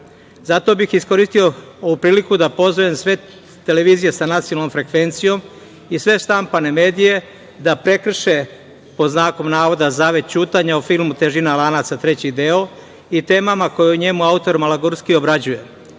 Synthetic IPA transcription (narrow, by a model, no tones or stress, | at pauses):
zat̪o̞bixisko̞ɾist̪io̞oupɾiːlikud̪apo̞zʋojemsʋe̞ | t̪e̞le̞ʋiːzije̞sanat̪sionalnomfɾe̞kʋe̞nt̪sijo̞m | isʋe̞ʃt̪ampane̞me̞ːd̪ije̞ | d̪apɾe̞kr̩ʃe | poznaːko̞mnaːʋo̞d̪azaːʋe̞t̪̚t͡ɕuːt̪aɲaufilˠmut̪e̞ʒinalanat̪sat̪ɾe̞t͡ɕid̪e̞o | it̪e̞ːmamako̞juɲe̞muaut̪o̞ɾmalaɡoɾskio̞bɾad͡ʑuje̞